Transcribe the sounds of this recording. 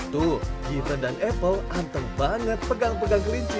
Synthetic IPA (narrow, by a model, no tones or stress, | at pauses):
t̪uhɡit̪ədanʔɛpəlʔant̪əŋbaŋət̪̚pəɡaŋpəɡaŋkəliɲt͡ʃi